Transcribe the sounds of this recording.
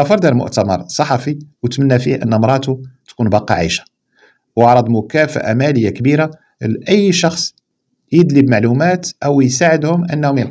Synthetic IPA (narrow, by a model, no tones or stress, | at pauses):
fɑɾˤd̪æɾlmʊ̰ʔt̪æmɑ̰ɾˤsˤɑħɑfiwt̪mənːæfihʔə̰nːmɾˤɑt̪ut̪kunbɑqiʕaʃḁ | wɑʕɾˤɑd̪ˤmʊkæfə̰ʔa̰mæləjːakbiɾa | lʔəjːʃɑxsˤ | jəd̪libmaʕlumæt̪ʔæwjsaʕəd̪hʊmʔənːhʊmjəl